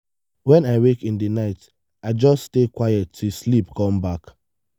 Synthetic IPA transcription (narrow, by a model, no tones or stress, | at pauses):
wɛ̃naɪwekĩndinaɪt | aɪd͡ʒɔsstekwaɪjɛtʰːuslipkɔ̃mbak